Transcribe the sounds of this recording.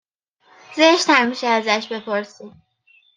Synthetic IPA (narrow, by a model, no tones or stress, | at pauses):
zeʃt̪hæmmiʃɛæzæʃbe̞pʰoɾsid̪